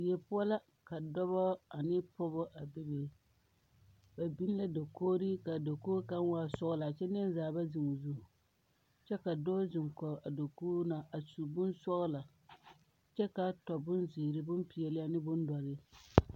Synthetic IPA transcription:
jɛ˨pʊ˦ɔ˦la˦ | ka˨dɔ˦βɔ˦a˨nɪ˦pɔ˦bɔ˦ʔa˨bɪ˦be˨ | ba˨bi˦n˦la˦do˨koː˦ɾi˦ka˨do˨koː˦ka˦nwaː˦sɔ˦ɣʊ˦la˨t͡ʃɛ˦n˦nzaː˨ba˦zɪ˨ŋʊ˨zu˦˨ | t͡ʃɛ˦ka˨dɔ˦zɪ˨ŋkɔ˨a˨do˨kuː˦na˨ʔa˨su˨bʊ˦nsɔ˦ʔla˨ | t͡ʃɛ˦ka˨tɔ˨bʊ˦nzɪ˨ɾɪ˦bʊ˦mpi˨jɛ˨lɪ˦a˦nɪ˦bʊ˦n˦dɔ˨ɾɪ˦

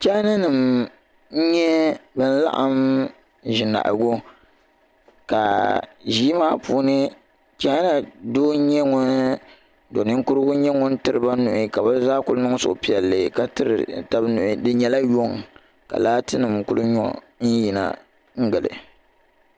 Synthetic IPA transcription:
t͡ʃa˦na˦nɨ˨m̩˦ | ɲɛ˦bɨ˦n̩˦la̰˦ʔa˦m | ʒɪ˨na̰˨ʔɡo˦ | ka̰˨ʒiː˦maː˦puː˦nɨ˦ | t͡ʃa˦na˨doː˦ɲɛ˦ŋʊ˦n | do˨nɨ˦ŋ̩˦kʊ˦ɾɨ˦ɡʊ˦ɲɛ˦ŋʊ˦n̩˦tɨ˦ɾɨ˨ba˦nʊ˨ʔɪ˨ka˨ba˦zaː˦kʊ˦lʊ˦nɨ˦ŋ˦sʊ̰˨ʔʊ˨pi˦˨ɛ˨lːɨ˨ka˨tɨ˦ɾɨ̰˨ta˨˦bnʊ˨ʔɪ˨dɨ˦ɲɛ˦la˦jo˦˨ŋ | ka̰˨laː˦tɨ˦nɨ˨m˨kʊ˦lʊ˦ɲɔ̰˦ | n̩˦ji˨na̰˦˨ | ŋ̩˦ɡɨ˨lɨ̰˨

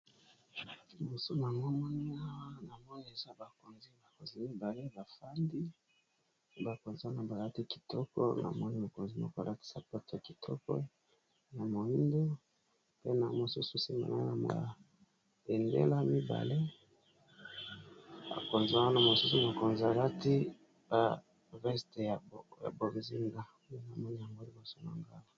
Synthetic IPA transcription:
mo˨su˦na˨ŋo˦mɔ˦n˦a˦na˨mɔ˦ni˦e˨za˦ba˨ko˨nzi˦ba˨ko˨nzi˦mi˦ba˨le˦ba˨fa˦ndi˦ | ba˨ko˨nzi˦wa˦na˨ba˨la˦ti˦ki̥˨tɔ˦kɔ̰˦na̰˨mɔ˦ni˦mo˨ko˨nzi˦mɔ̰˦kla˦ti̥˦sa˨pa˦ta˨ki˨tʰɔ˦kɔ̰˦ | na˨mo˨i˦ndo˦ | pe˦na˨mo˨su˦su˦si˨ma̰˨na̰˦na˨mo̰˨a̰˨ | pe˨ndḛ˦la˦mi˦ba̰˨le˦ | ba̰˨ko˨nza˦wa˦na˦mo˨su˦su˦na˨ko˨nzi˨a˨la˦ti˦ | ba˨ | vɛ˦ste˨ja˨bja̰˨bo˨zi˦ŋɡa˦e˦na˨mɔ˦ni˦ja˨ŋɡo˦li˦ba˨so˦na̰˨ŋɡa˦la˨

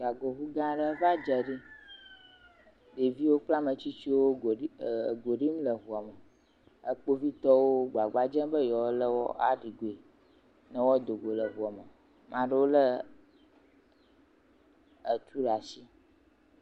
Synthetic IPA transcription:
ɡa˨ɡo˨ɦu˦ɡã˦ɖə˦va˦d͡ʒə˨ɖi˦ | ɖe˨vi˦wo˦k͡pla˦mə̃˨t͡ɕi˦t͡ʃi˦wo˦˨ɡo˨ɖi˦m˦lə˨ɦu˨a˨mə˨ | ə̰˦k͡po˦vi˦t̪ɔ˦wo˦ɡ͡ba˨ɡ͡ba˦d͡ʒə̃˦bə˦jɔ˨wo˦lə˦wɔ̰˦ʔa̰˨ɖi˨ɡo˨e˨ | nə̃˦wɔ˦d̪o˨ɡo˨lə˨ɦu˨ɔ˨mə˨ | mã˨ɖə˦wo˦lə˦ | ə˨t̪ʰu˦ɖa˨si˦

